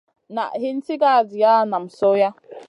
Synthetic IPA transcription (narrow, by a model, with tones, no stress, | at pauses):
na̰˨ɦɪ˦n̩˦ti˦ɡa˦˨d͡zɪ˨ja˦na˨m̩˨so˦ja˦